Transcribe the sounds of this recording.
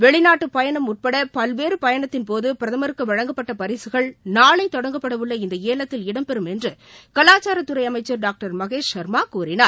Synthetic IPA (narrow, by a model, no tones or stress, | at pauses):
ʋɛɭɪnaːʈːɯpɐjɐɳɐmʊʈ̚pɐɽɐpɐlʋeːɾɯpɐjɐɳɐt̪ːɪnpoːðɯpɪɾɐðɐmɐɾɯkːɯʋɐɻɐŋɡɐpːɐʈːɐpɐɾɪsɯɣɐɭnaːɭɐɪt̪ːɔɽɐŋɡɐpːɐɽɐʋɯɭːɐɪnd̪ɐeːlɐt̪ːɪlɪɽɐmpɛɾɯmɛndrɯkɐlaːt͡ʃːaːɾɐt̪ːɯɾɐɪɐmɐɪt͡ʃːɐɾɖaːk̚ʈɐɾmɐɣeːʂʃɐɾmaːkuːɾɪnaːɾ